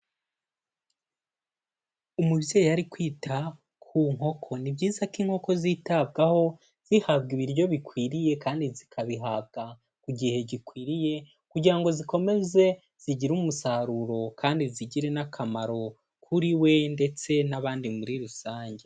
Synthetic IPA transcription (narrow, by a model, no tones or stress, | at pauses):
umuβjeːjojaɾikwiːtʰa | kʰuŋ̥o̞kʰo̞nibɟiːzakiːŋho̞ko̞zitabɡaho̞ | z̥ihabɡiβiɾjo̞βikwiːɾije̞kaːndizikʰaβiɦab̚ɡa | kuɟihe̞ɟikwiːɾije̞ | kuɟiɾaŋɡo̞ziko̞me̞ze̞ | z̥iɟiɾumusaɾuɾo̞kʰaːndiziɟiɾe̞nakʰamaɾo̞ | kʰuɾiwe̞nde̞t͡se̞naβaːndimuɾiɾusaːɲɟe